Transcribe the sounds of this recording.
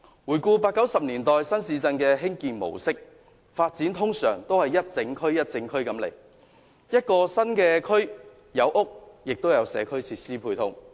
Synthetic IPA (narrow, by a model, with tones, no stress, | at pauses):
wuː˨˩jkuː˧paː˧t̚kːɐ˨˥wsɐ˨p̚niː˨˩nt̪ɔː˨jsɐ˥nsiː˨˧t͡sɐ˧nkɛː˧ɦɪ˥ŋkiː˨˧nmo̰˨˩wsɪ˥k̚ | faː˧t̚t͡siː˨˥nt̪ʰʊ˥ŋsœ̰ː˨˩ŋt̪o˥whɐ˨jɐ˥t̚t͡sɪ˨˧ŋkʰɵ˥ɥjɐ˥t̚t͡sɪ˨˧ŋkʰɵ˥ɥkɐ˨˥mlḛ˨˩j | jɐ˥t̚kɔː˧sɐ˥nkɛː˧kʰɵ˥ɥ | jɐ˨˧wʔʊ˥k̚jɪ˨k̚t̪o˥wjɐ˨˧wsɛː˨˧˥kʰɵ˥ɥt͡sʰiː˧t̚siː˥pʰuː˧jt̪ʰʊ˥ŋ